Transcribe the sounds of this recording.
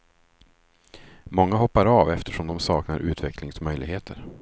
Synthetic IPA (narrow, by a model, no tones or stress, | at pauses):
mɔŋːaɦɔpːaɾɑːvɛft̪ʰəʂɔmd̪ɔmsɑːknaɾʔʉ̟ːt̪ʰvɛklɪŋsmœjlɪɡheːt̪ʰəɾ